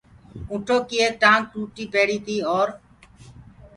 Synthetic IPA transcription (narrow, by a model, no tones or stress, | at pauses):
ũːʈʰoːkiːeːk̚ʈãːŋkɾuːʈiːpeːɽiːt̪iːoːɾ